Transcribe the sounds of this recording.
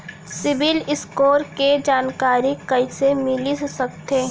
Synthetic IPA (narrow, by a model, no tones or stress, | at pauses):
sɪʋɪlɪskoːɾked͡ʒaːnkaːɾikɐisemɪlissɐkt̪eː